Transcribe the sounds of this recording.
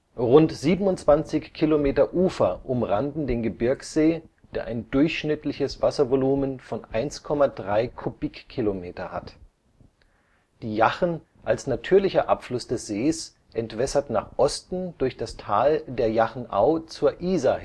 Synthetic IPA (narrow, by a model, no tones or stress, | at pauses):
ʁʊntz̥iːbn̩ʊnt͡sv̥ant͡sɪçkʰilomeːtɐʔuːfɐʔʊmʁandn̩deːnɡəbɪɐksz̥eː | d̥eːɐʔaɪndʊɐçʃnɪtʰlɪçəsv̥asɐvoluːmənfɔnʔaɪnskʰɔmadʁaɪkʰub̥ikʰːilomeːtɐha̰t | d̥iːjaχn̩ | ʔalsnatʰyːɐlɪçɐʔapflʊsd̥ɛsz̥eːs | ʔɛntv̥ɛsɐtna̰ːχʔɔstn̩dʊɐçd̥astʰaːldeːɐjaχn̩ʔa̰ʊt͡suːɐʔiːza